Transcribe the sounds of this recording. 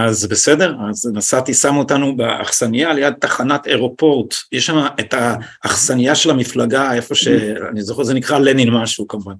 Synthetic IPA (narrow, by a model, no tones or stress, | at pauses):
azbe̞sede̞ʁaznasat̪isamotanubea̰χsanijalejad̪̚t̪aχanateʁo̞po̞ʁtjeʃamaetaː | χsanijaʃe̞lamiflaɡae̞fo̞ʃea̰nizoχeʁzenikʁalenilmaʃukamuvan